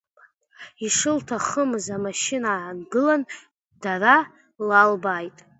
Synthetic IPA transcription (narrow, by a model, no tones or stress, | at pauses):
iʂɨltʰaχəmɨzamaʃɪnaːʕanɡɨlan | d̥aɾa | lalbajtʼ